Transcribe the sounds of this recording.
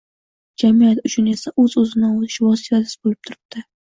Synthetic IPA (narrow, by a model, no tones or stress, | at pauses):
d͡ʒamijat̪ʊt͡ʃʰʊne̞saʔɵzɵzɪnaot̪ɪ̥ʃvɒsɪt̪ad̪ɪ̥sbolɪp̚t̪ʰʊɾɪp̚d̪ɪ